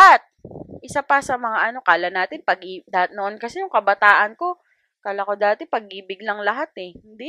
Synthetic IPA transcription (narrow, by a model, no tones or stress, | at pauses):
at̪̚ʔɪsapɐsɐmɐŋaʔɐno̞kaːlɐnaːt̪ɪnpɐɡʔid̪ahat̪̚noʔonkɐsɛjʊŋkɐbɐt̪aːʔɐnko̞ | kaːlakod̪aːt̪ɛpɐɡ̚iːbɪɡlɐŋlɐɦat̪ɛhɪnd̪i